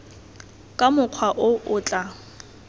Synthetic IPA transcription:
kʼamʊq͡χʰwaʔʊʔʊːt͡ɬʼa

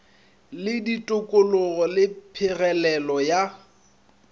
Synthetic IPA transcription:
lɪditʼʊkʼʊlʊɣɔlɪpʰɪɣɛlɛlɔja

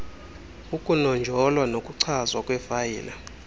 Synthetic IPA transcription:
ukʼunɔnd͡ʒʱɔlwanokʼuǀʰazwakʼwɛfajḭːla

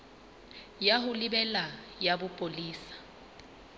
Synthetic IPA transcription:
jaɦʊlɪbɛla | jabʊpʼoliːsḁ

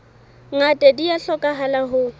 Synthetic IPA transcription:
ŋatʼediaɬɔkʼaɦalaɦʊ

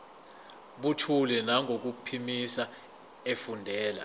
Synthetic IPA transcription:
ɓutʰulɛnaŋʱok̬upʰimisa | efundʱɛːla̰

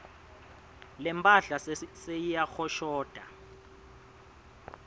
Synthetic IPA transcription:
lɛmpʼaɬasejijaxɔʃɔːd̥ʱa

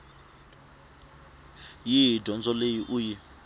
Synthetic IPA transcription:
jidʱɔnd͡zɔlejiʔuji

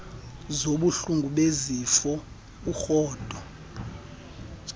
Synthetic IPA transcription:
zoɓuɬuŋɡʱuɓezifɔ | uxɔːd̥ʱɔ

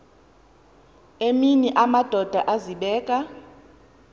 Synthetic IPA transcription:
eminiʔamad̥ʱɔd̥ʱaʔaziɓɛːkʼa

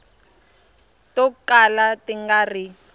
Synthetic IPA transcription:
tɔkalatiŋɡari

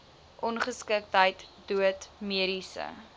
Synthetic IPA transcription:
ʔɔnχəskək̚tɦəjtduətmiəɾisə̰

